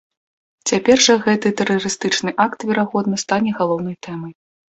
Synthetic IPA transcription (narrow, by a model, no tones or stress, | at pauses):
t͡sʲapʲɛrʐɐɣɛt̪ɨt̪ɛɾɐrɨst̪ɨt͡ʂnɨʔakt̪vʲɛɾaɣɔd̪̚nɐst̪anʲɛɣalˠɔwn̪ɐjt̪ɛmɐj